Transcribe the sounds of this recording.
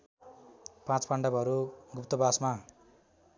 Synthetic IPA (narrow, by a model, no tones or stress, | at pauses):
pãt͡spaɳɖʌbʌɾuɡupt̪ʌbasma